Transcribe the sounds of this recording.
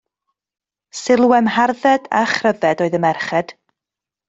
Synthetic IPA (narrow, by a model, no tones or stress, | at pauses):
sɪlˠwɛmharðɛda̰χrəvɛdoːɨðəmɛrχɛd̥